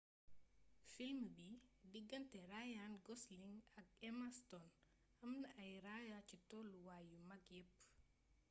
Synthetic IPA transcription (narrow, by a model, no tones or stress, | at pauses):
filmbidiɡːɐntɛrajanɡɔsliŋɐk̚ɛmastɔn | ɐmnəʔɐjɾajacitɔːluwaːjumɐkjɛpː